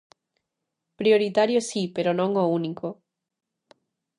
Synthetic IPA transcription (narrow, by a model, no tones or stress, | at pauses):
pɾjoɾit̪aɾjosipeɾonõŋouniko